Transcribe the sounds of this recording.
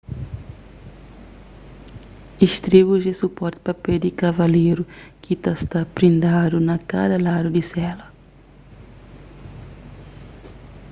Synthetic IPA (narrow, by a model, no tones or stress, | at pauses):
iʃt̪ɾiβuzd̪ɪsupɔɾt̪ɪ̥papɛd̪ɪkavalejɾukit̪ast̪apɾĩnd̪ad̪unɐka̰d̪ɐlad̪ud̪isɛlɐ